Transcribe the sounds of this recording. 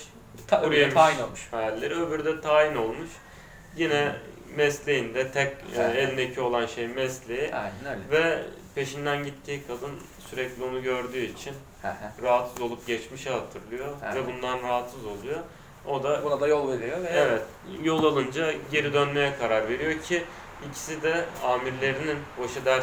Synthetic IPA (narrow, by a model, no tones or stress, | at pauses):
uɾujemaʃinolˠmuʃɾlʲːeɾiøbyɾd̪ɛt̪ʰaːino̞lˠmuʃ | jinɛmɛslʲe̞jind̪ɛt̪ʰɛcːɛlʲmecʰio̞lˠanʃejmɛslʲejivɛpʰe̞ʃind̪ænɟit̪ʰːiːkʰad̪ɯn | syɾɛclʲio̞nuɟøɾd̪yːit͡ʃʰin | ɾaɦat̪sɯzo̞lˠup̚ɟɛt͡ʃmiʃɛɦat̪ʰɯɾlˠɯjovɛbund̪anɾaɦat̪sɯzo̞lˠujo | od̪abunad̪ajolˠveɾijovevɛt̪ | jo̞lˠalˠɯnd͡ʒaɟe̞ɾid̪ønme̞jɛkʰaɾaɾve̞ɾijo̞cʰi | icʰi̥sid̪ɛaːmiɾlʲe̞ɾininbaʃɯd̪æɾ